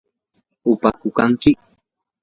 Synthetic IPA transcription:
ʊpakʊkaŋkɪ

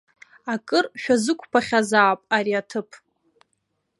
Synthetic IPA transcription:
akʼɨrʃᶣazɨkʷʰʼpʰaχʲazaːpʼaɾiatʰɨpʰ

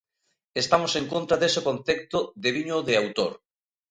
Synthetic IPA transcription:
est̪amosẽŋkont̪ɾaðesokõnθek̚t̪oðeβiɲoðeawt̪oɾ

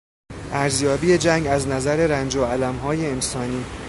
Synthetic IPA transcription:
ʔæɾzjɒːbiːed͡ʒæŋɡæznæzæɾe̞ɾænd͡ʒoælæmɦɒːjeːnsɒːniː

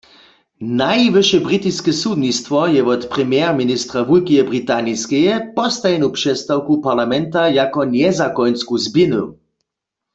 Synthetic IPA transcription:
najʋɨʃɛbʁit̪iskɛsud̪nist̪ʋɔjɛʋɔt̪pʁɛmjɛʁminist̪ʁavulkijɛbʁit̪aniskɛjɛpɔst̪ajɛnupʂɛst̪awkupaʁlamɛnt̪ajakɔnjɛzakɔjnskuzbjɪnṵ

